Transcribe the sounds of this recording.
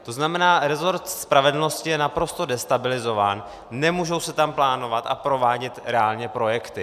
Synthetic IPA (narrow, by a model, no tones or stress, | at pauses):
t̪o̞znamɛnaːɾɛzo̞ɾt̪spɾavɛdl̩no̞scɪjɛnapɾo̞st̪o̞dɛst̪abɪlɪzo̞vaːn | nɛmuʒo̞wsɛt̪amplaːno̞vat̪ʔapɾo̞vaːɟɛt̪ɾɛaːlɲɛpɾo̞jɛkt̪ɪ